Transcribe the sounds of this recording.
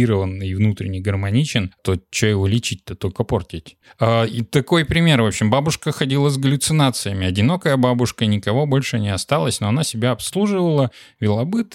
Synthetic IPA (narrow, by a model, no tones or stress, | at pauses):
iɾəvənɨvnut̪ɾʲɪnʲɪjɡərmɐnʲit͡ɕɪnt̪ot͡ɕːojɪvolʲɪt͡ɕit̚ʲt̪ːət̪o̞lʲkəpo̞rtʲɪtʲ | ait̪ɐko̞jpɾʲɪmʲe̞rvo̞pɕːɪmbabʊʂkəxɐdʲilˠəzɡəlʲʊt̪sɨnat̪sɨjəmʲɪɐdʲɪno̞kəjəbabʊʂkənʲɪkɐvo̞bo̞lʲʂɨnʲɪɐst̪alˠəsʲno̞ɐnasʲɪbʲaɐpslˠuʐɨvəlˠə | vʲɪlˠɐbɨt̪